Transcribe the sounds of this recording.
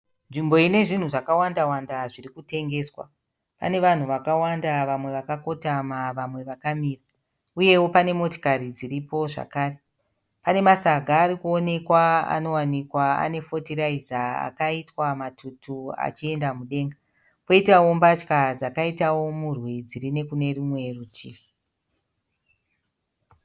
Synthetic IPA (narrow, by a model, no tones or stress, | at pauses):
nʐimbo̞ine̞ʐin̤uʐakawandawandaʐirikute̞ŋɡe̞swa̰ | pa̰ne̞ʋan̤uʋakawandaʋamwe̞ʋakako̞tamaʋamwe̞ʋakamiːra | uje̞wo̞pane̞mo̞to̥kaɾid͡ziripo̞ʐa̰kaːre | pane̞masaɡʱaːɾikuone̞kwaa̰no̞wanikwaa̰ne̞fo̞tiɾaizaa̰kaitwamatʰutʰua̰t͡ʃie̞ndamuɗe̞ŋɡa | po̞itawo̞mbat͡ʃkad͡zakaitawo̞murwid͡ziɾine̞kune̞rumwe̞rutʰiːʋi